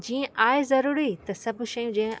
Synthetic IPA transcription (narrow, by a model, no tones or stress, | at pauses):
d͡ʑiːə̃ʔaːezɐɾuːɾit̪ɐsɐbʱʊʃɐjũd͡ʑẽɦə̃